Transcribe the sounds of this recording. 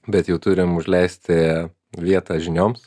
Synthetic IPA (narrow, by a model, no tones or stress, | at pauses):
bʲɛt̪jɛʊt̪ʊɾʲɪmʊʒʲlʲɛɪsʲt̪ʲɪ | ʋʲiɛt̪ɑːʒʲɪnʲoːms